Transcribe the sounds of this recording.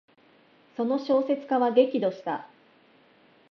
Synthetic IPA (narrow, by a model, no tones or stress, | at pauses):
so̞no̞ɕo̞ːse̞t͡sɨ̥kaβaɡe̞kʲid̪o̞ɕi̥t̪a̰